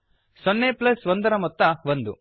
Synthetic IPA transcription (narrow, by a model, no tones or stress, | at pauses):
sɔnːeplɐsʋɐnd̪ɐɾɐmɔt̪ːɐʋond̪u